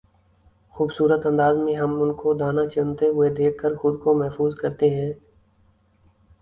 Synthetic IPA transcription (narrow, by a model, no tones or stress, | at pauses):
xuːbsuːɾət̪ɐ̃nd̪aːzmẽɦɐmʊnkod̪aːnat͡ʃʊnt̪eɦʊed̪eːkʰkːəɾxʊd̪komɛɦfuːzkɐɾt̪eɦɛ̃ː